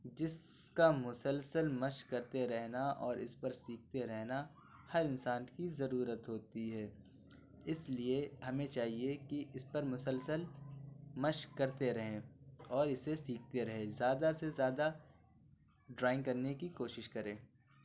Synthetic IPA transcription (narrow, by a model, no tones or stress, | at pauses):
d͡ʒɪskamʊsəlsəlmɐʃkɐɾt̪eɾɛɦnaʔɔːɾʔɪ̰spɐɾsiːk̚t̪eɾɛɦna | hɐɾɪnsaːnkizɐɾuːɾət̪ɦoːt̪iɦɛː | ɪslieɦɐmẽt͡ʃaːɦiekiʔɪspɐɾmʊsəlsəl | mɐʃkːɐɾt̪eɾɐɦẽɔːɾɪsesiːk̚ʰt̪eɾɐɦẽzjaːd̪asezjaːd̪a | ɖɾaːɪ̃ŋkɐɾnekikoːʃɪʃkɐɾẽː